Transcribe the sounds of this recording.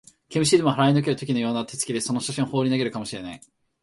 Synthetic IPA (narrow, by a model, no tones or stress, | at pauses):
kemɯ̟ɕiːd̪emoɦaɾainok̬e̞ɾɯ̟t̪o̞kʲino̞joːnat̪ʰe̞t͡sɨ̥id̪e̞so̞no̞ɕaɕĩoho̞ːɾʲinaɡe̞ɾɯ̟kamo̞ɕiɾe̞nai